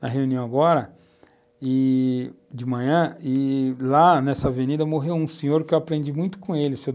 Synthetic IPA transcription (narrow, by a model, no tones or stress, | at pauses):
nɐɦeũniɐ̃w̃aɡɔɾɐ | ɪ | d͡ʒɪmɐ̃ɲɐ̃ɪlanɛsɐavenid̪ɐmoɦewũsẽɲoɾkɪewapɾẽnd͡ʒimũj̃t̪ʊ̥kõelɪʊse